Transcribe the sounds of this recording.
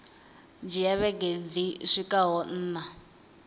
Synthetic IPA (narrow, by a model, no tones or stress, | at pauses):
d͡ʒijaβɛɡed͡ziʂikʼaɦɔn̩ːna